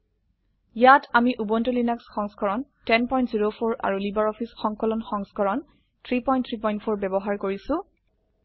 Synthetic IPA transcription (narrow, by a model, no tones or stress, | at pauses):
jatamiʔubɔntulinaksxɔŋskɔɹɔntɛnpɔj̃ntziɹopʰoɹa̰ɹulibaɹɔpʰisxɔŋkɔlɔnxɔŋskɔɹɔn | tʰɹipɔjntʰɹipɔj̃ntpʰoɹbɛbɔɦaɹkoɹisʊ̃